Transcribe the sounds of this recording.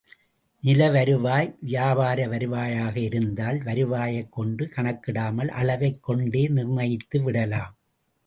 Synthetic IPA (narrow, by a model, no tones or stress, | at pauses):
nɪlɐʋɐɾɯʋaːjʋɪjaːbaːɾɐʋɐɾɯʋaːjaːɣɐɪɾɯnd̪aːlʋɐɾɯʋaːjɐɪkːɔɳɖɯkɐɳɐkːɪɽaːmɐlʔɐ̰lɐʋɐɪkːɔɳɖeːnɪrnɐjɪt̪ːɯʋɪɽɐlaːm